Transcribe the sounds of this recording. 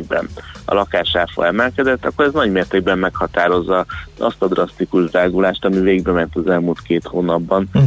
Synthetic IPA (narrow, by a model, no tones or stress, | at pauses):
ɡ̚bɛ̰nɒ̰lɒkaːʃaːfo̰lɛmɛlkɛd̪ɛt̪ːɒkːoɾɛznɒɟmeːrt̪eːɡbɛmːɛkhɒt̪aːɾo̞zːɒɒ̰st̪ɒd̪rɒst̪ikuʒd̪aːɡulaːʃt̪ɒmiveːɡbɛmɛnt̪ɒzɛlmult̪keːt̪hoːnɒbːɒn